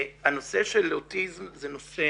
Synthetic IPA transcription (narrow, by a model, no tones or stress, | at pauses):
hano̞seʃeleot̪izmzenose